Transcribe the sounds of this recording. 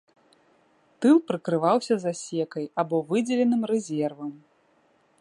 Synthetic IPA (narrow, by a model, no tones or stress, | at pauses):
t̪ɨlˠpɾɨkɾɨvawsʲɐzasʲɛkɐjabɔvɨd͡zʲɛlʲɛnɨmrɛzʲɛrvɐm